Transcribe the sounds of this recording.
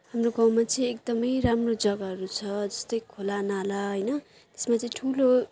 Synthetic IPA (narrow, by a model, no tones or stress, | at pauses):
hamroɡaw̃mat͡sʌĩek̚d̪ʌmʌjɾamrod͡zʌɡaɦʌɾut͡sʰʌd͡zʌst̪ʌjkʰolanalaɦʌjnʌ | t̪e̥smat͡sʌĩʈʰulo